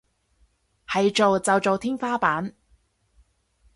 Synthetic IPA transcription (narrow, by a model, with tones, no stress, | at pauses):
hɐ˨jt͡ʃo˨wt͡sɐ˨wt͡so˨wt̪ʰiː˥ŋfaː˥paː˨˥n